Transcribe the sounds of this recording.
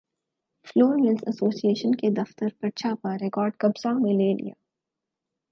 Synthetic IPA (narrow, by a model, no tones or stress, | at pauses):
floːɾlɛ̃nsɐsoːsieːʃənked̪ɐft̪əɾpɐʈt͡ʃʰapɐɾɾekɔːɾɖkɐbzamẽleːlḭja̰ː